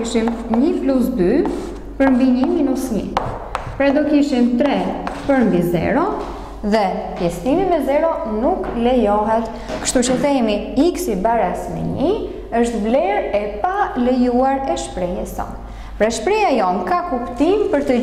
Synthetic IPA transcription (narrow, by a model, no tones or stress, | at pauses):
iʃimɲəflusby | pəɾmbiɲiminusmḭ | pɾɛd̪ɔkiʃimt̪ɾɛpəɾmbizɛ̰ɾɔ | ðɛpjɛst̪imimɛzɛɾɔnuklɛjɔɦɛt̪ | kə̥ʃt̪ut͡ɕəθɛmiiksibaɾasmɛ̰ɲi | əʃt̪vlɛɾɛpalɛjuaɾɛʃpɾɛjɛsɔ̰n | pɾɛʃpɾɛjajɔnkakupt̪impəɾt̪ə